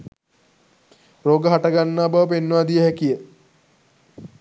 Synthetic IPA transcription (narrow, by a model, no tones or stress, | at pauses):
roːɡəɦaʈaɡanːaːbaʋəp̬enːəʋaːd̪ijəɦækijə